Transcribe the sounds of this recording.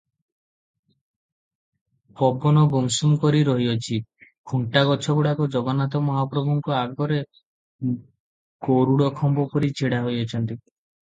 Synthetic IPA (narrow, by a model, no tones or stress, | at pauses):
pɔbɔnɔɡomsumkɔɾiɾɔɦiɔt͡ʃʰikʰuɳʈaɡɔt͡ʃʰɔkuɽakɔd͡ʒɔɡɔnat̪ɔmɔɦapɾɔbʱɔŋkɔaɡɔɾe | koɾuɽɔkʰɔmbɔpɔɾit͡ʃʰeɽaɦojɔt͡ʃʰɔnt̪i